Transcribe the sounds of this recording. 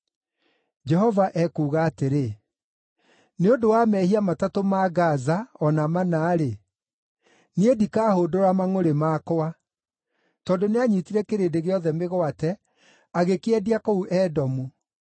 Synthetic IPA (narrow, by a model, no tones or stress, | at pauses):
d͡ʒɛhɔvaʔɛkuːɣaːteɾe | neondowamɛhiamatatomaɣazaɔnamanaːɾe | niedikaːhoːdoɾamaŋoɾemakɔa | tɔndoneaɲitiɾɛkeɾeːdeɣeɔðɛmeɣwatɛ | aɣekeɛdiakɔuʔɛdɔmu